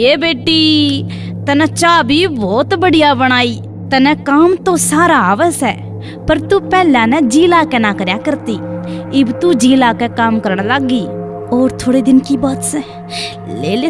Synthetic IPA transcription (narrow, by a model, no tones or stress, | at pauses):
eːbeːʈːiː | t̪ɐnɛ̃ːt͡ʃaːbiːbɔːt̪bəɽijaːbəɽ̃aːiː | t̪ɐnɛ̃ːkaːmt̪õːsaːɾaːaːʋəsɛ̰ː | pəɾt̪uːpɛːlãːnɛ̃ːd͡ʒiːlaːkɛnãːkəɾjaːkəɾt̪iːɪbt̪ud͡ʒiːlaːkɛkaːmkəɾəɳ̃laːɡiː | oːɾt̪ʰoːɽeːd̪ɪnkiːbaːt̪sɛ̃ | leːle